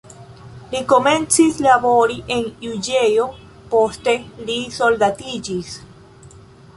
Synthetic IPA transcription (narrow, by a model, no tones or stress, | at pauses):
liko̞me̞nt͡sislaboɾiʔe̞njud͡ʒe̞jo | po̞ste̞liso̞ldatid͡ʒis